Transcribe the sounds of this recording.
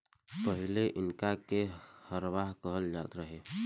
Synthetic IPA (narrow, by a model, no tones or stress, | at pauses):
pəɦɪleʔɪnkakehəɾʋaːɦkəɦəld͡ʒaːt̪ɾəɦeː